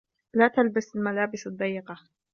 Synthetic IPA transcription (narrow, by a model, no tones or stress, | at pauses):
laːt̪albasalmalaːbɪsad̪ˤːɑjːɪqɑ